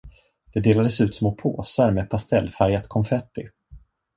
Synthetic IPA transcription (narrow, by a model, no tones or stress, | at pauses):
d̪̥ɛd̪eːlad̪əsʉ̟ːt̪smoːpʰo̰ːsaɾmɛːpʰast̪ɛlːfaɾjat̪kʰɔmfɛt̪ːɪ